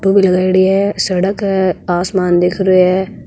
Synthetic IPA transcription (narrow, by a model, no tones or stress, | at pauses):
ʈũbʱilɐɡaːiɽiɦɛsɐɽəkːaːsmaːnd̪eːkʰɾəeɦɛː